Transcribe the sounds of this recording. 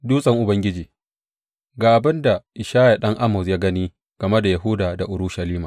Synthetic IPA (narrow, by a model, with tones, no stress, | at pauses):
duː˦sʼɐ˦˨ŋʔʊ˨bɐ˦ŋɡʲɪ˦d͡ʒiː˨ | ɡaː˨ʔa˨bɪ˦nda˨ʔɪ˨ʃaː˦ja˨ɗɐ˦ŋʔa˦mɔ˨sjaː˦ɡɐ˦niː˦ | ɡ̥ɐ˨me˦da˨ja˨ɦʊ˦daː˨da˨ʔʊ˨ɾʊ˦ʃa˨liː˦maː˨